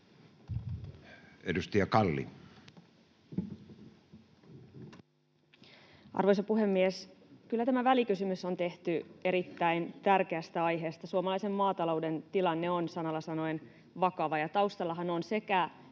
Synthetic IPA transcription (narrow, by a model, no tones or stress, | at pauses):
edust̪iɑkɑlːḭ | ʔɑ̰rʋo̞jsɑpuɦe̞mːieskylːæt̪æmæʋælikysymysːo̞nt̪e̞ht̪ye̞ɾit̪ːæint̪ærkeæst̪æɑjɦe̞ːst̪ɑsuomɑlɑjse̞mːɑːt̪ɑlo̞wde̞nt̪ilɑnːeonsɑnɑlːɑsɑno̞en | ʋɑkɑʋɑjɑt̪ɑuwst̪ɑlːɑɦɑno̞nse̞kæ